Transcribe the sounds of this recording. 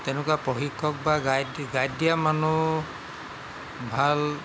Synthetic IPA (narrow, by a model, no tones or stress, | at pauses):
t̪enʊkuapɔxikʰːɔk̚baɡajɡajdijamanu | bʱal